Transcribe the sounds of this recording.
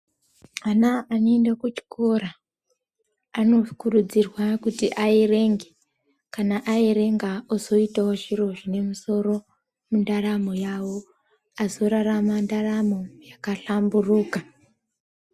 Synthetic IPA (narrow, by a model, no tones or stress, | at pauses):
anaːnoendakut͡ʃi̥ko̞ɾa | ano̞kurud͡zirwakutiʔaire̞ŋɡe̞ | kanaʔaiɾe̞ŋɡaozo̞itawoʐiro̞ʐine̞muso̞ɾo̞ | mundaramo̞jawo̞ | azo̞ɾaramandaramo̞jakaɬamburuːka